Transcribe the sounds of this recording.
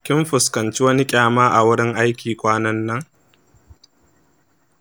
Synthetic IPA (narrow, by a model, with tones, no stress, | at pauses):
kʲɪ˦mɸʊ˨skɐ˨nt͡ʃi˦wɐ˦ni˦kʲʼaː˨maː˦ʔa˨wʊ˦ɽɪ˦ŋʔa˦jkʲʰiː˨kʷʼaː˦nɐ˦nːɐ˦ŋ